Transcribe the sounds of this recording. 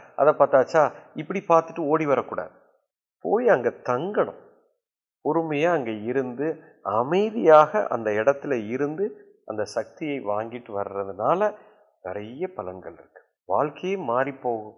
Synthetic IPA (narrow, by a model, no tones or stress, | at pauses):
ʔɐ̰ðɐpːaːɾt̪aːt͡ʃːaːɪpːɐɽipaːɾt̪ɯʈːɯoːɽiʋɐɾɐkːuːɽa̰ːðɯ | poːjɐŋɡeːt̪ɐŋɡɐɳɯ̰̃m | pɔɾɯmɐjaɐŋɡeːɪɾɯnd̪ɯ | ɐmɐɪðɪjaːɣɐʔɐ̰nd̪ɐɪɽɐt̪ːɪlɐɪɾɯnd̪ɯ | ʔɐnd̪ɐsɐk̚t̪ɪjɐɪʋaːŋɡɪʈːɯʋɐɾɯɾɐðɯnaːlɐ | nɛɾɐjɐpɐlɐnɡɐɭɪ̰ɾɯkːɯ̥ | ʋa̰ːlkɐjemaːɾipːoːɣɯm